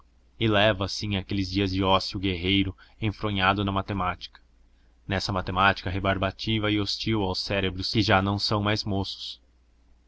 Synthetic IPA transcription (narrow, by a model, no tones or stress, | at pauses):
ɪlɛvɐːsĩakelɪzd͡ʒiɐzd͡ʒɪɔsiʊɡeɦejɾʊẽfɾõɲad̪ʊnɐmat̪emat͡ʃi̥kɐ̥ | nɛsɐmat̪emat͡ʃi̥kɐɦebaɾbat͡ʃivɐɪost͡ʃiwawsɛɾebɾʊskɪʒanɐ̃w̃sɐ̃w̃majzmosʊ̥s